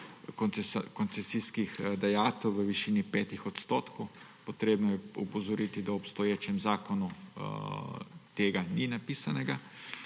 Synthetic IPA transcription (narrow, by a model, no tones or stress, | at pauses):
nkɔnt̪sɛsiskixd̪ajaːt̪ɛwʋəʋiʃiːnipɛːt̪ixɔt̪st̪oːt̪kow | pot̪ɾeːbnɔjɛupɔzɔɾit̪id̪aɔpst̪ɔjeːt͡ʃɛmzaːkɔnu | t̪eːɡaninapiːsanɛɡa